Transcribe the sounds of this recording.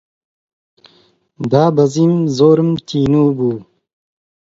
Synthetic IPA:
d̪ɑːbɐzimzoːɾəmt̪ʰiːnuːbuː

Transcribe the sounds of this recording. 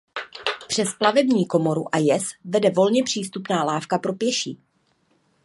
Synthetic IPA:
pr̥ɛsplavɛbɲiːko̞mo̞ɾuʔajɛsvɛdɛvo̞lɲɛpr̝̥iːst̪upnaːlaːfkapɾo̞pjɛʃiː

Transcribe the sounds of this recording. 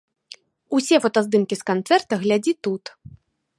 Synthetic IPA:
usʲɛvɔt̪ɔzd̪ɨmkʲiskant̪sɛrt̪ɐɣlʲad͡zʲit̪ut̪

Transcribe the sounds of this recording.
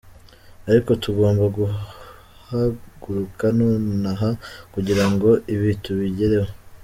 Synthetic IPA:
aɾiko̞tuɡo̞ːmbaɡu | haɡ̥uɾukanoːnaɦakuɟiɾaŋɡo̞ʔiβituβiɟe̞ɾe̞we

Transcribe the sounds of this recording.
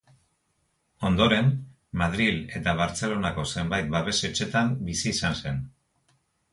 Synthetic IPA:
o̞nd̪o̞ɾe̞n | maðɾile̞t̪aβ̞aɾt͡se̞lo̞nako̞se̞mbajt̪̚baβe̞se̞t͡ʃe̞t̪ambisiːsanse̞n

